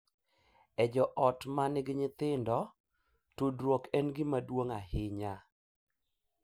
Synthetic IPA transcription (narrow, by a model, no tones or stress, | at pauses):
ɛd͡ʒɔʔɔtmanɪɡɪɲɪt̪ɪndɔ | tudɾwokɛnɡɪmadwoŋahɪɲa